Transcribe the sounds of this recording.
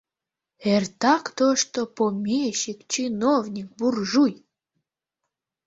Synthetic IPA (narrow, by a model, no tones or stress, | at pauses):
ert̪ɑkt̪oʃt̪opomʲeʃikt͡ɕinovnʲik̚burʒuj